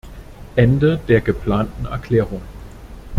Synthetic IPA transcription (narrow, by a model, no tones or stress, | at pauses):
ʔɛndəd̥eɐɡ̥əpʰla̰ːndn̩æɐkʰleːʁoŋ